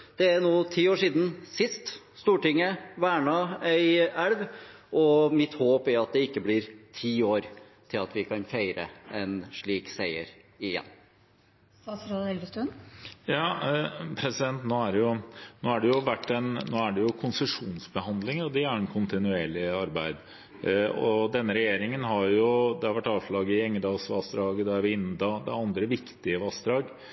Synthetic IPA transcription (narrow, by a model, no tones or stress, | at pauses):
d̪̥ɛænuːt̪ʰiːoːʂiːd̪n̩sɪst̪ | st̪uːʈɪŋːəʋæːɳɑæɪæɽʋʔɔmɪt̪hoːpæɑt̪̚d̪ɛɪkːəblɪɾt̪ʰiːoːɾ | t̪ʰɪlɑt̪ʋɪkʰɑnfeɪɾə̰ɛnʂɭiːksæɪə̰ɾ | ɪjɛ̰nː | ɑsɾoɛlɡ̪əst̪ʉnjɑːpʰɾɛsɪd̪ɛnt̪noːæɖɛjʊnoːæɖɛjʊʋæʈːɛnnoːæɖɛjʊkʰʊnsəʂuːnsbəɦɑnd̪lɪŋɔd̪ɛæɾɛnkʰʊnt̪ɪnʉeːɭɪɑɾbæɪd̪ | ɔ̰d̪ɛnːəɾɛjeːɾɪŋənɦɑɾjʊd̪ɛhɑɾʋæʈːɑːʋʂɭɑːɡəɪɛŋːəd̪ɑːɡsʋɑ̰ːsd̪ɾɑːɡəd̪ɛæɾʋɪɪnːd̪ɑd̪ɛ̰ɑnd̪ɾəʋɪkt̪ɪəʋɑːsd̪ɾɑːɡ